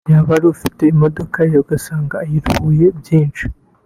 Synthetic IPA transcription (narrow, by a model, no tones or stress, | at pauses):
jaβaɾuufiteimodo̞kajoɡasaːŋɡaːjiɾhuːje̞bjiːnt͡ʃi̥